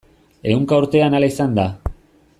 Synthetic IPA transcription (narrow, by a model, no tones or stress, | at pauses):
e̞uŋkauɾt̪e̞analaisand̪a